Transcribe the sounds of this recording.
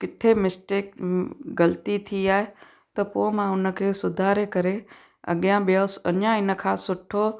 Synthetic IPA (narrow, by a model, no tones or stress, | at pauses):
kɪt̪ʰemɪsʈeːk̚ɡɐlt̪it̪ʰiaːe | t̪ɐpoːmãʊnə̆kʰeːsʊd̪ʱaːɾekɐɾe | ɐ̰ɠjãɓjosɐ̰njãɪnə̆kʰãːsʊʈʰoː